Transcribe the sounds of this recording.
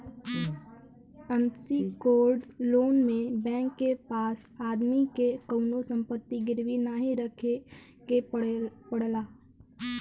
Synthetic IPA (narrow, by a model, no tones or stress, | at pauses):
əmsikoːɾɖloːnmẽbɛ̃ːŋkːepaːsaːd̪mikekəʊnosə̃mpət̪ːiɡɪɾʋinaːɦĩɾəkʰe | kepəɽlaː